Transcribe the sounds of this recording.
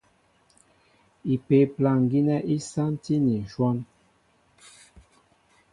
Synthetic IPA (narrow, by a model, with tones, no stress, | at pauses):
i˨pe˨pla˨ŋ˨ɡi˦nɛ˦ʔi˦sa˦nti˦ni˨n˨ʃwɔ˦n